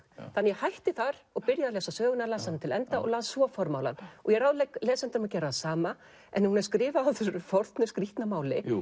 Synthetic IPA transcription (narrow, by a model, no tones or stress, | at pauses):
θanːjɛhajht̪ɪθaɾɔɣpɪɾjaðalɛːsasœːɣʏnalaːsant̪ʰɪlɛnt̪aʔɔ̰ɣlaːðsvɔfɔɾma̰wla̰nɔɣjɛɾawðlɛjklɛːsɛnt̪ɪɾʏmacɛːɾasaːma | ʔɛ̰nhunɛɾ̥skɾɪːvaawθʏɾʏfɔɾt̪nʏskɾiht̪namaːwlɪ